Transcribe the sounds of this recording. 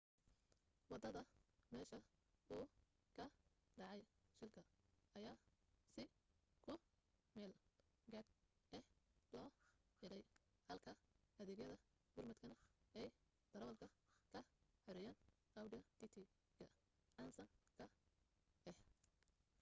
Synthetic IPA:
wɑd̪ɐðɐmɛːʃɐʊː | kʰɐɖɑʕɑjʃɪlkʰɐɐjaːsɪkʰʊmɛːl | ɡɐd̪ɛhlɔːħɪɾɛjhɐlkʰɐɐðɛːɣjɐðɐ | ɡʊrmɐd̪kʰɐnɐɛj | d̪̥ɐɾɐlkʰɐkʰɐħɪɾɪjɐnɐwɖɪɐt̪ʰit̪ʰi | kʰɐ | ʕɑnsɐŋkʰɐ | ɛh

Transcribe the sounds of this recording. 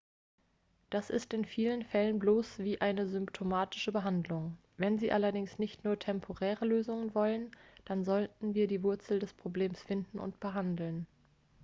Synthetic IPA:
d̥asɪstɪnfiːlənfɛlənbloːsv̥iːʔaɪnəzʏmptʰomaːtɪ̥ʃəbəɦandlʊŋ | vɛnziːʔalɐdɪŋsnɪçtnuːɐtʰɛmpʰoʁɛːʁəløːzʊŋənvɔlənd̥anzɔltn̩viːɐdiːvʊɐt͡sl̩dɛspʁ̥obleːmsfɪndn̩ʔʊ̰ntb̥əɦandl̩n

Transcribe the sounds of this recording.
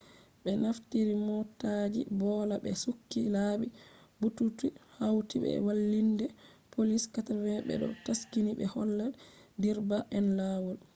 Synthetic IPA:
ɓɛnaftiɾimɔtad͡ʒibɔlaɓɛsukːilaːɓibututihawtiɓɛ̰walːindɛpoliskatavɛɓɛ̰ɗɔ̰taskiniɓɛhɔlːadiɾbaʔɛnlawɔl

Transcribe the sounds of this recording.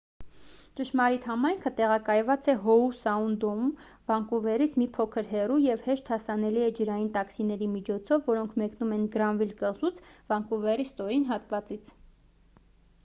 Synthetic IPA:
t͡ʃəʃmɑɾit̪hɑmɑjŋkʰət̪ɛʁɑkɑjvɑt͡sɛɦɔusɑund̪ɔm | vɑŋkuvɛrit͡sʰmipʰɔkʰəɾɦɛrujɛvhɛʃt̪hɑsɑnɛliɛd͡ʒəɾɑjint̪ɑksinɛɾimit͡ʃʰɔt͡sʰɔvːɔɾɔŋkʰmɛknumɛnɡɾɑnvilkəzut͡sʰvɑŋkuvɛrist̪ɔɾinɦɑt̪vɑt͡sit͡sʰ

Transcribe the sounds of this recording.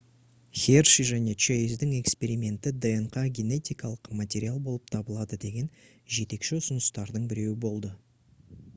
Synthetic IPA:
xʲerʃiʒæne̞t͡ʃejzd̪ɪŋe̞kspe̞ɾijmʲe̞nt̪ɪd̪enqɑɡʲe̞ne̞t̪ʲijkɑlˠəqmat̪ʲe̞ɾʲialˠbo̞lˠəp̚t̪ʰɑbəlˠɑd̪əd̪e̞ɡʲe̞n | ʒe̞t̪e̞kʃɪʊsʊnəst̪ɑɾd̪əɴbɪɾe̞wɪbo̞lˠd̪ə

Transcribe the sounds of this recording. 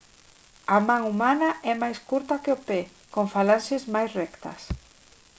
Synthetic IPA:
amãŋumanɐʔɛmajskuɾt̪ɐkɪopɛ | koŋfalansɪzmajsrɛkt̪ɐ̰s

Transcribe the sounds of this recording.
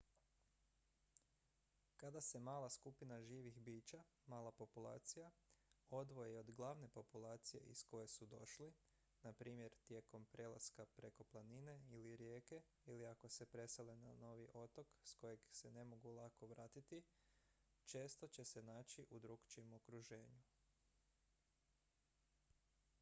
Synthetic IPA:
kad̪ase̞maːlaskupinaʒiːʋixbiːt͡ʃa | maːlˠapo̞pulˠa̰ːt̪sijao̞d̪ʋo̞jeo̞d̪ɡlˠaʋne̞po̞pulaːt̪sije̞̰ʔḭsko̞je̞sud̪o̞̰ʃli | napɾiːmje̞ɾt̪je̞ko̞mpɾe̞la̰skapɾe̞ko̞plˠanine̞iliɾjeːke̞ | iliako̞se̞pɾe̞selenano̞ːʋiʔo̞t̪o̞ksko̞je̞ɡse̞ne̞mo̞ɡulˠako̞ʋɾaːt̪it̪i | t͡ʃe̞ːst̪o̞t͡ɕe̞se̞naːt͡ɕiʔud̪ɾuɡt͡ʃiemo̞kɾuʒe̞ːɲu

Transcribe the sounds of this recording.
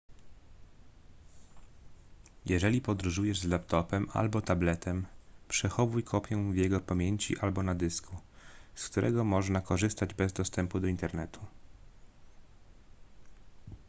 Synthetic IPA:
jʔɛʐɛlʲipɔd̪ɾuʐujɛʐzlapt̪ɔpɛma̰lbɔt̪ablɛt̪ɛmpʂɛxɔvujkʰɔpʲjɛ̃vʲjɛɡɔpamʲjeɲt͡ɕḭʔalbɔnad̪ɘskuskt̪uɾʔɛ̰ɡɔmɔʐnakɔʐɘst̪ad͡ʑbɛzd̪ɔst̪ɛmpud̪ɔint̪ɛɾnɛt̪ʰu

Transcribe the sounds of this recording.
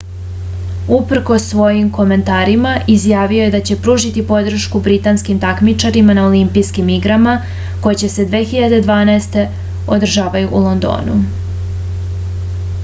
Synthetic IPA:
upr̩ko̞sːʋo̞jimko̞me̞nt̪aːɾimaʔizjaːʋio̞je̞d̪at͡ɕe̞pɾuːʒit̪ipo̞d̪r̩ʃkubɾit̪anskimt̪akmit͡ʃaɾimanaolimpijskimiɡɾama | ko̞jet͡ɕe̞se̞d̪ʋe̞ːxiʎad̪e̞d̪ʋaːnaest̪e̞ | od̪r̩ʒaːʋajuʔulˠo̞nd̪o̰ːnṵ

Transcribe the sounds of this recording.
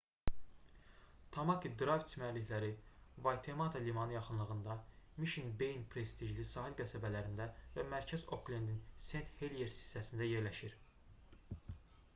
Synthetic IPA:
t̪ʰɑmɑkid̪ɾɑvt̪mæɾlːiçlæɾivɑjt̪ʰe̞mɑt̪ʰɑlimɑnɯjɑχɯnlˠɯɣɯnd̪ɑmiʃinbe̞jnpʰɾe̞st̪iʒlisɑːɦilɡæsæbælæɾind̪ævæmæɾcʰæzoklʲend̪inse̞nt̪heljeɾsi̥sæsind̪æje̞ɾlæʃiɾ

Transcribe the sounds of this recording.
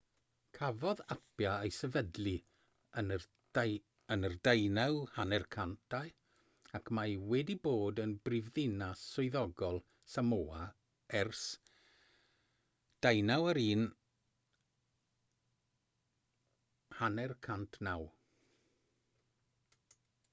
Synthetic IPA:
kʰavɔðapʰjaejsəvədlˠi | ən | ənərdejnawhanɛrkʰantʰaj | akʰmajwɛdiboːdənbrɪvðɪnasʊɨðɔɡɔlˠ | samoːa | ɛrs | d̥ajnawəɾiːn | hanɛrkʰantʰnaw

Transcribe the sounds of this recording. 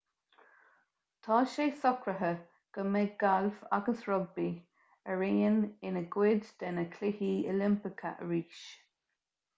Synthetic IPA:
t̪ʰɑːʃeːsɔkɾəɦə | ɡ̥əmeɡalva̰ɡəsɹɔɡ̚bi | əɹiːənɪnəɡwɪd̪d̪̥ɛnəkʰlɪhiːəlɪmpɪkʰə̰ʔəɹiːʃ

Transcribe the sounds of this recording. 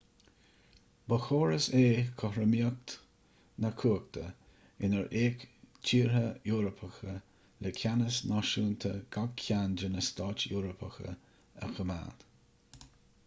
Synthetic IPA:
bəxoːɹəseːkʰɔhɾəmiək̚t̪ | nəkʰuːk̚t̪ʰə | ɪnəɹʔeːkt͡ʃʰiːɹɦəjuːɾəpʰəxə | lʔɛkʰanəsnɔʃuːnt̪ʰəɡ̥aɡkʰːand͡ʒənəst̪ɔːt͡ʃjuːɾəpʰəxə̰ | ə̰xəma̰ːd̪̥

